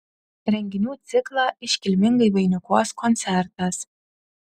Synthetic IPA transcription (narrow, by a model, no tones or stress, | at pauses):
ɾʲɛŋʲɡʲɪnʲuːt̪sʲɪklˠɑɪʃʲkʲɪlʲmʲɪŋɡɐjʋɐɪnʲʊkoskɔnʲt̪sʲɛɾt̪ɐs